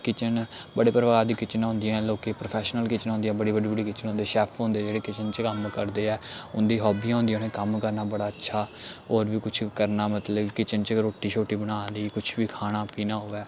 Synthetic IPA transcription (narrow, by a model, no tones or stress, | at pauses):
kɪt͡ʃənbəɽeːpəɾəʋaːaːd̪iːkɪt͡ʃənõːnd̪iãloːkeːpɾoːpʰɛːʃnəlkɪt͡ʃənõːnd̪ĩjãːbəɽiːbəɽiːbəɽiːkɪt͡ʃənõːnd̪eːʃɛːpʰɦõːnd̪eːd͡ʒeːɽeːkɪt͡ʃənt͡ʃkəmkəɾd̪eːɛːʊnd̪iːɦɔːbiːãːɦʊ̃ːnd̪ĩːãneːkəmkəɾnaːbəɽaːətːʃʰaːoːɾʋiːkʊt͡ʃʰkəɾnaːmət̪ləbkɪt͡ʃənt͡ʃɾoːʈːiːʃʰoːʈiːbəɽaːnd̪iːkʊt͡ʃʰʋiːkʰaːɽ̃aːpiːnaːɦoːɛː